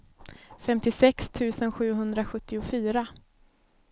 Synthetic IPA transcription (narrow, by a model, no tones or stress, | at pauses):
fɛmt̪ɪsɛkst̪ʰʉ̟ːsənɧʉ̟ːɦɵnd̪ɾaɧɵt̪ːɪʊfyːɾa